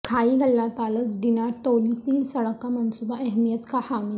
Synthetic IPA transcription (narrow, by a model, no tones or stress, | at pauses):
kʰaiɡʱəlːat̪alət͡sɖ̪inaɾt̪olipiːlsəɭkamənsubaʔɛɦmijət̪kahami